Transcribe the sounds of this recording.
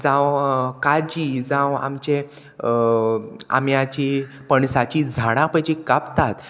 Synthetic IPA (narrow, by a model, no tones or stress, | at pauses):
d͡zãwkad͡ʑid͡zãwa̰mt͡ɕẽ | a̰mjat͡ɕi | pəɳsat͡ɕid͡zʱaɽ̃ãpəjd͡ʑikapt̪at̪